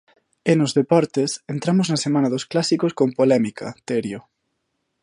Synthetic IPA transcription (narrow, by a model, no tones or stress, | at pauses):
enozðepɔɾt̪esent̪ɾamoznɐsemãnɐðosklasikoskompolɛmikʰɐ̰t̪eɾjo